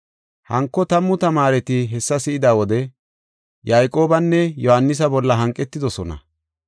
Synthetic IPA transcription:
hɐŋkːɔt̪ɐmːʊt̪ɐmaːɾɛt̪ɪɦɛsːɐsɪʔɪd̪aːwɔd̪ɛ | jajkʼo̞ːbɐnːɛjɔhɐnːɪs̬ɐbɔlːɐɦɐŋkʼːɛt̪ːɪd̪ɔsɔnɐ̰

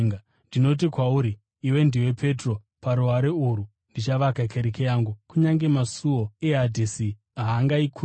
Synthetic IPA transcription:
ŋ | ndino̞t̬ikwauɾiː | we̞ndiwe̞pʰe̞tro̞ | paɾuɦaɾeuɾu | ndit͡ʃaʋakakʰeɾekejaːŋɡukuɲaŋɡe̞masuo̞e̞ɦadʱisi | ɦaːŋɡaikʰu

